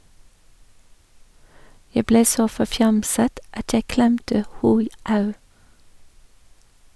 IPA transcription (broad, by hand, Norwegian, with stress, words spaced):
ˈjæ ˈbleː ˈsoː fɔˈfjɑmsət ˈɑt ˈjæɪ ˈklɛmtə ˈhuː ˈɑʉ